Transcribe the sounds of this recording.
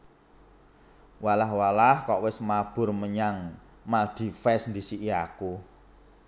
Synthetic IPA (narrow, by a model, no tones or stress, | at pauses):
walahwalahkɔʔwɪsmab̥ʊ̤rməɲaŋ | mald̪̥i̤fɛsnd̪isiʔiaku